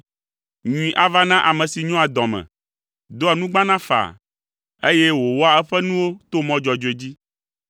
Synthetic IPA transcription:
ɲũ˨ĩ˨ʔa˨va˦nã˦ʔa˨mɛ̃˨si˨ɲɔ̃˦a˨d̪ɔ̃˨mɛ̰̃˨ | d̪o˦a˨nũ˦ɡ͡bã˦nã˦fa̰˨ | e˦jɛ˦wo˨wɔ˦a˨ɛ˦ɸɛ˦nũ˦wo˦t̪o˦mɔ̃˦d͡ʒɔ˨d͡ʒo˨e˨d͡ʑi˦

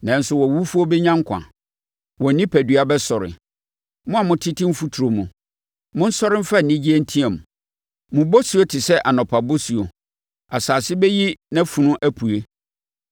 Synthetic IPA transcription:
nã˨n̩˦sʊ˦˨wɔ˨wu˦fu˦o˦bɛ˦ɲã˦ŋ˦kʷʰã̰˨ | wɔ˨nĩ˦pʰæ˨dɥa˨bɛ˦sɔ˨ɾɪ̰˨ | mʊ̃˦a˨mʊ̃˦tʰɪ˦tʰɪ̃˦m̩˦fu˦tʰu˨ɾo˨mũ˨ | mʊ̃˦n̩˦sɔ˦ɾɪ̃˦m̩˦fa˦˨nĩ˦d͡ʑi˦ɛ˦n̩˦tʰĩ˦ɛ̃˨m̃˨ | mʊ̃˨bɔ˦su˦o˦tʰɪ˨sɛ˦ʔa˨nɔ̃˨pʰa˨bo˦su˨o˨ | a˨saː˨sɪ˦bɛ˦ji˦nã˦fũ˨nʊ̃˦ʔæ˦pʰu˨e˦

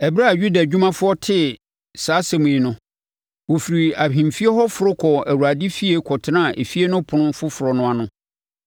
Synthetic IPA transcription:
ɛ˨bɾa˦˨ɥu˦da˨d͡ʑᶣu˦mã˦fʊ˦ɔ˦tʰɪ˦ | saː˨˦sɛ˨mũ˨i˨nʊ̃˦ | wo˨fi˨ɾi˨a˨hĩ˨m˨fi˦e˦hɔ˦fʊ˨ɾʊ˦kʰɔ˨æ˨wu˨a˨dɪ˦fi˦e˦kʰɔ˨tʰɪ˦nã˦˨ʔe˨fi˦e˦nʊ̃˦pʰʊ̃˨nʊ̃˦fʊ˦fʊ˨ɾɔ˨nʊ̃˦a˨nʊ̃˦

